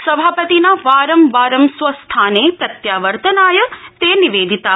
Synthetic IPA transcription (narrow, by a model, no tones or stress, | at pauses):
səbʱapət̪inaʋaːɾəmʋaɾəmsʋəst̪ʰanepɾət̪jaʋəɾt̪ənajət̪eniʋed̪it̪a